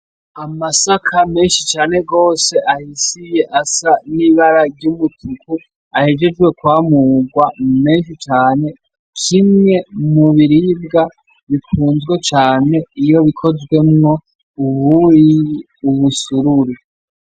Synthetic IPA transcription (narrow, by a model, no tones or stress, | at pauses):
amasakʰame̞ːnʃit͡ʃaːne̞ɡo̞ːse̞ʔahisije̞ʔasaniβaɾaɾɟumutʰuku | ahe̞d͡ʒe̞d͡ʒɡwe̞kwaːmuːɡwamume̞ːnʃit͡ʃaːne̞ | kʰimɲe̞muβiɾibɡa | βikʰuːnzɡwe̞t͡ʃaːne̞ijo̞βikʰo̞zɡwe̞mŋo̞ | uβui | uβusuɾuɾi